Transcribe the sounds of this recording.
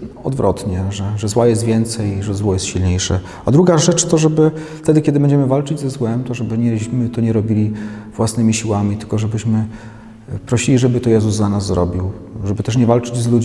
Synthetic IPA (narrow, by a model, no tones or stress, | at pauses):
ɔd̪vɾʔɔ̰t̪ɲɛʐɛʐɛzwajɛst̪vʲjɛnt̪sɛjʐɛzwɔjɛst̪ɕilɲejʂɛ̰ | ad̪ɾuɡaʐɛt͡ʂt̪ɔʐɛbɘft̪ɛd̪ɘkʲɛd̪ɘbɛɲd͡ʑɛmɘvalt͡ʂɘd͡ʑzɛzwɛmt̪ɔʐɛbɘɲɛmɘt̪ɔɲɛɾɔbʲilʲivwasnɘmʲiɕiwamʲit̪ɘ̥lkɔʐɛbɘɕmɘ | pɾɔɕilʲiʐɛbɘt̪ɔjɛzuzːanazzɾɔ̰bʲiw | ʐɛbɘt̪ɛʂ̬ɲɛvalt͡ʂɘd͡ʑzlud͡ʑ